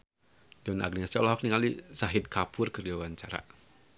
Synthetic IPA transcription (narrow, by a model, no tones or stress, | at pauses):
dɔna̰ɡniasiɔlaɦɔk̚niŋalisaɦɪd̪̚kʰapʰʊrkərd͡ʒawaɲt͡ʃaɾa̰